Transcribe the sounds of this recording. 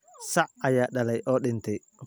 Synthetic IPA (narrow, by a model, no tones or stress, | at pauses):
sɐʕʔɐjaːɗɐlɛjʔɔːɗɪnt̪ʰɛj